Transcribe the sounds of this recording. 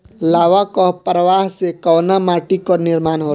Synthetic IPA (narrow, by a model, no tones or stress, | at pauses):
laːʋakɔpɾəʋaːɦsekɔːnamaːʈikonɪɾmaːnɦoː